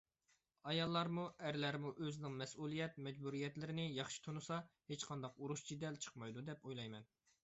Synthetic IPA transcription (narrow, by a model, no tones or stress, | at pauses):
ɑjɑlˠːɑɾmuʔæɾlæɾmuʔøzɪnɪŋmɛsulˠijɛt̪̚mɛd͡ʒbuɾijɛt̪lɪɾɪnɪjɑχʃi̥t̪ʰonusɑhet͡ʃqʰɑnd̪ɑquɾuʃd͡ʒʰid̪ɛlt͡ʃʰə̥qmɑjd̪ud̪ɛpojlˠɑjmɛn